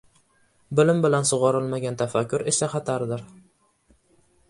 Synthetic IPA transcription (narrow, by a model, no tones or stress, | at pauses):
bɪlɪmbɪlansʊʁɑɾɪlˠmaɡʲant̪ʰafakʲʰːʊɾesaχɑt̪ʰaɾd̪ɪɾ